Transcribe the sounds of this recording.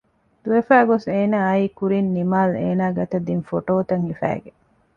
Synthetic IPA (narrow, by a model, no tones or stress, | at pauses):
d̪̥uʋefæːɡoseːnaːɐiːkuɾinːimaːlḛːnaːɡɐt̪ɐd̪infoʈoːt̪ɐŋhifæ̰ːɡe